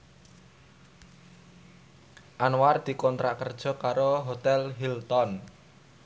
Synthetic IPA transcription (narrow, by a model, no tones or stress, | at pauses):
ʔanward̪̥i̤kɔnt̪ɾaʔkərd̥ʒ̥ɔ̤kaɾoɦot̪ɛlɦilt̪ɔn